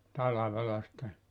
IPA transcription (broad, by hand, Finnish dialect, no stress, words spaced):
tɑlɑʋelɑ sĭtːe